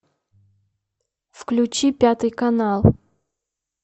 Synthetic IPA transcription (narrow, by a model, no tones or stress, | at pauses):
fklʲʊt͡ɕipʲat̪ɨjkɐnalˠ